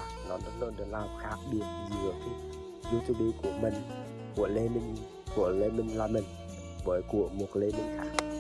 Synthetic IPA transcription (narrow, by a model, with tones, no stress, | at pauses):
nɔ˨˦nɗ̪ɨ˨˦ləː˧nɗɨ˨˩nlaː˧˩wxaː˦˥k̚ɗɨ˨˩ək̚zɨ˨˦ət̪ʰ | ɗɨ˨˦t̪ʰi˨˧ɓi˧ku˧˩əmi˨˩ŋ | ku˧˩əle˧mi˧ŋ | ku˧˩əle˧mi˧ŋlaː˧˩mi˨˩ŋ | vəː˨˦jku˧˩əmu˨˩ək̚le˧mi˧ŋka̰ː˧˥